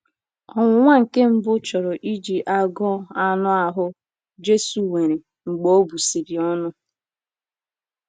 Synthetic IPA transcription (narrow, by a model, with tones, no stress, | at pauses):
ɔ˨ŋʷʊ˨˦ŋʷa˦ŋ̩˨ke˦m̩˦bʊ˦t͡ʃɔ˨ɾɔ˨ʔi˦d͡ʒi˨ʔa˦ɡɔ˦a˦nʊ˦a˨ɦʊ˦ | d͡ʒe˦su˨we˨ɾe˨ | ŋ͡m̩˨ɡ͡bo˦o˦bu˨si˨ɾɪ˨ɔ˦nʊ˦